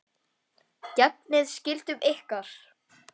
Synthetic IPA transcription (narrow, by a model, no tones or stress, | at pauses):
cɛp̚nɪðscɪl̥t̪ʏmehkaɾ̥